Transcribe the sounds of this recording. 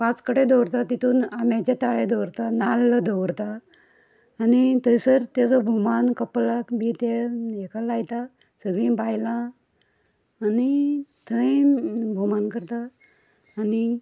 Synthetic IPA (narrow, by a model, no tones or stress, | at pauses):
pãt͡skəɽed̪ɔwɾt̪at̪it̪uːnamãt͡ɕet̪aɭed̪ɔwɾt̪analːəd̪ʱɔwɾt̪aː | nit̪əsəɾt̪ed͡zɔbʱumankəplakbit̪eekalajt̪a | səɡĩbajlã | nit̪ʰə̃ | bʱumankəɾt̪aː | ni